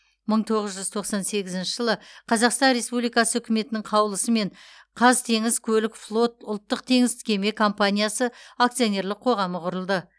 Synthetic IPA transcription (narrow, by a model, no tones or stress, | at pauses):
məɴt̪ʰo̞ʁəzʒʏzt̪ʰo̞qsɑnse̞ɡʲɪzɪnʃɪʒəlˠəqʰɑzɑqst̪ɑnɾe̞spublijkɑsəʏkʲɪme̞t̪ɪnɪŋɴqʰɑwlˠəsəme̞ɴ | qʰɑzt̪ʰe̞ŋɪzkʲʰɵlɪkflˠo̞t̪̚ʊlˠt̪ːəq̚t̪ʰe̞ŋɪzt̪ɪ̥kʲʰe̞me̞kʰo̞mpanʲijasəak̚t̪sijone̞ɾlɪqʰo̞ʁɑməqʰʊɾəlˠd̪ə